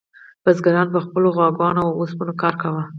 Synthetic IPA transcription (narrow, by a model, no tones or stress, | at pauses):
b̥azɡaɾɑnpəxpəloɣwɑɡɑnoosbənokɑɾkawa